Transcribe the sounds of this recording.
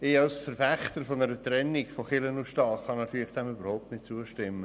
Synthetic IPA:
ɪɑlsfəɾfæχtəɾfɔnəɾətɾɛnːɪɡfɔχɪlənuʃtɑːχɑnɑt̪yːɾlɪχd̥ɛmybəɾhoʊp̚tnɪt̚t͡suəʃtɪmːə

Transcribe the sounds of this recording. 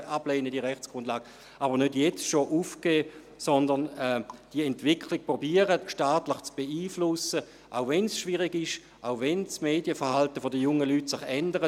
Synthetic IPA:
ʔableːnədiəʁɛχt͡sɡ̥ʁʊndlaːɡ̥ə | ʔaːbəʁnødjɛt͡sʃoʔufkeː | sɔndənɛd̥iəɛntv̥ɪkʰlɪk̚pʁobiːəʁəʃtaːtləχt͡sb̥eiːflʊsə | ʔaʊvɛnsʃviʁɪɡɪʃ | ʔaʊvɛnsmeːdjəfəɐhaltəfodəjʊŋəlytsɪχɛndəʁə

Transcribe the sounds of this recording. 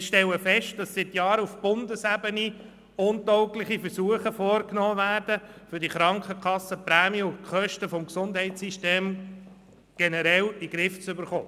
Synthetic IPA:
ʃtɛləfɛʃt̚d̥ɑsːɪt̪jɑːɾufb̥ʊndəsæbəni | ʊntɔʊklɪχifəɾsuəχəfɔːɾknoːʋæːɾd̥əfʏɾdiχɾɑŋkχəkʰχɑsːəpɾæːmiʊkχœʃtəfɔmksʊndɦɛɪtsiʃteːm | ɡ̥ɛnəɾɛliɡ̥ɾɪft͡sʏbəɾχoː

